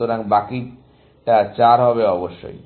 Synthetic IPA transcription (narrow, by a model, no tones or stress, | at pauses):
oɾaŋbaki | ʈat͡ɕaɾɦɔβeɔboʃːo̰j